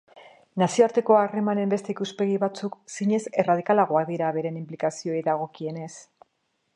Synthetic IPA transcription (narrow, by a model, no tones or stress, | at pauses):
nasio̞aɾt̪e̞ko̞are̞mane̞mbe̞st̪e̞ikuspe̞ɣiβat͡suksiɲe̞se̞rað̞ikalaɣ̞oakðiɾaβe̞ɾe̞nimplikasio̞ejðaɣ̞o̞kie̞ne̞s